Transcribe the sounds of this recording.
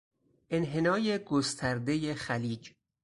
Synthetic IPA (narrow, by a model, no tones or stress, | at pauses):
ʔe̞nɦe̞nɒːje̞ɡost̪ʰæɾd̪e̞jexæliːd͡ʒ